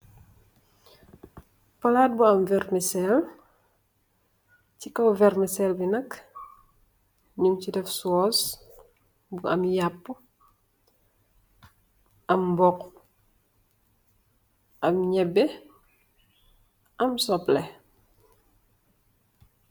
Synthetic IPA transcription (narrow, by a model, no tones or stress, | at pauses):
pɐlaːt̚buɐmvɛrmisɛl | cikɐwvɛɾmisɛlbinɐk | ɲumcidɛfsɔːs | buɐ̰mjapːu | ʔɐmbɔk | ʔɐmɲɛbɛ | ʔɐmsɔplɛ